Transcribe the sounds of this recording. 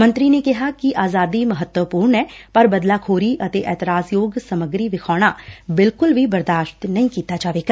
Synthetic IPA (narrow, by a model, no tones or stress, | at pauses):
mə̃nt̪ɾiːneːkɪɦaːkɪʔaːzaːd̪iːməɦət̪wəpuːɾɳɛːpəɾbəd̪laːkʰoːɾiːʔət̪eːʔɛːt̪ɪɾaːsjoːɡsəməɡɾiːʋɪkʰaːɽ̃aːbɪlkʊlʋiːbəɾd̪aːʃt̪nəĩːkiːt̪aːd͡ʒaːʋeːɡa